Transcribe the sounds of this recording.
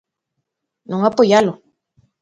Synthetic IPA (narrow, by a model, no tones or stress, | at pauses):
nɔŋapojalo